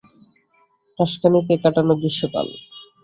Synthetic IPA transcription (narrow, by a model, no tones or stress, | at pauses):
ɾaʃkanikekaʈanobiʃːoka̰l